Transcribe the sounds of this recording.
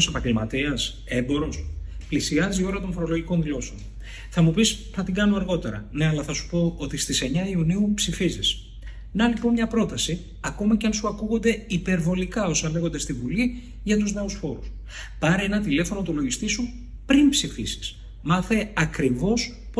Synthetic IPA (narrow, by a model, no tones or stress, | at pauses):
sepɐɲɟe̞lmɐt̪iɐs | e̞mbo̞ɾo̞splisiɐzio̞ɾɐt̪o̞nfo̞ɾo̞lo̞ʝiko̞nðilo̞seon | θɐmupis | θɐt̪iŋɡɐnoɐɾɣo̞t̪e̞ɾɐ̰ne̞ɐlɐθɐsu̥po̞ot̪ist̪ise̞ɲɐiuniupsifizis | nɐlipo̞nmɲɐpɾo̞t̪ɐsi | ɐko̞mɐceɐnsuɐkuɣo̞nd̪e̞ipe̞ɾvo̞likɐo̞sɐnle̞ɣo̞nd̪est̪ivuli | ʝɐt̪uzne̞usfo̞ɾṵs | pɐɾee̞nɐt̪ile̞fo̞no̞t̪ulo̞ʝist̪isu | pɾinpsifisi̥s | mɐθe̞ɐkɾivo̞s | p